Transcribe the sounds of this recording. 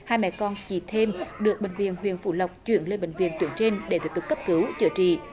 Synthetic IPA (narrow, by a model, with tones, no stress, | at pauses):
haː˧jmɛ̰˧˨kɔ˧nt͡ɕi˧˩t̪ʰe˧mɗɨ˨˩ək̚ɓï˧˨ŋ̟vḭ˧˨ənɦwḭ˧˨ənfṵ˧˥lə˨˩wk͡p̚t͡ɕwḭ˧˩ənləː˧jɓï˧˨ŋ̟vḭ˧˨ənt̪wi˧˨ənt͡ɕe˧nɗe˧˩t̪ʰi˦˥t̪ʊ˨˩k̚ə˦˥p̚kɨ˨˦wt͡ɕə̰˧˩t͡ɕḭ˧˨